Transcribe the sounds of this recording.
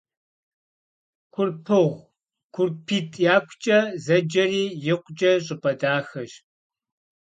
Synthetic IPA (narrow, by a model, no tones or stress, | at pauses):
kʷʰʊrpʰɨʁʷ | kʷʰʊrpʰiːtʰʼjaːkʷʰt͡ʃʼɐzɐd͡ʒɐriːjɪqʷʼt͡ʃʼɐɕʼɪpʼɐdaːxɐʒ